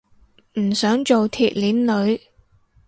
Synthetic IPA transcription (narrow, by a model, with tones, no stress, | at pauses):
m̩˨˩sœː˨˥ŋt͡ʃo˨wt̪ʰiː˨t̚liː˨˥nlɵ˨˧ɥ